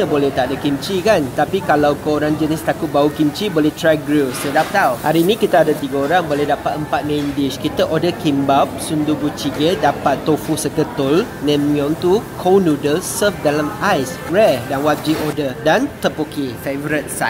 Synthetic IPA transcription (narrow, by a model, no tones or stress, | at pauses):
t̪əbolɛht̪aʔdakimt͡ʃikant̪apikalawkəoɾaŋd͡ʒənɪst̪akʊt̪̚baukimt͡ʃibolɛht̪ɾaɡɾilsədap̚t̪awhaɾiːnĩkit̪əadat̪iɡəoɾaŋbolɛhdapat̪̚əmpat̪̚mẽndiʃkit̪əʔodəkimbap̚sundubut͡ʃiɡədapat̪ːofusəkət̪ʊl | nɛ̃mĩɔ̃nt̪ukʰownudəlsəfdalamajs | ɹɛdanwad͡ʒiʔɔdədant̪əpokifevɾit̪̚sa̰